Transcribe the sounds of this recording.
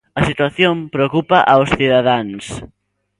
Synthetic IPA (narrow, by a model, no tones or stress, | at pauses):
ɐsit̪waθjompɾeokupɐʔawsθiðaðaŋs